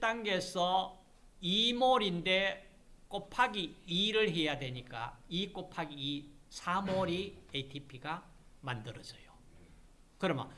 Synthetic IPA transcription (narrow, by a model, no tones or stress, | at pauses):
t͈aŋɡe̞sʰʌ | imoɾinde̞ | k͈opʰaɡiiɾɯɭɦe̞jadwe̞ɲik͈a̰ik͈opʰaɡiːsʰamoɾietʰipʰiɡa | mandɯɾʌd͡ʑʌjo | kɯɾʌmʌ̰